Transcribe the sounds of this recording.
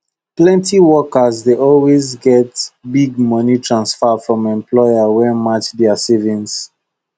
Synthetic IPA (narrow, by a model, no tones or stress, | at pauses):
plɛ̃ntiwɔkəzdeʔɔlwezɡɛtbiɡ̚mʌnitʰɹãnsfəfɹɔ̃mɛ̃mpʰlɔɪəwɛmat͡ʃdɛəsivĩns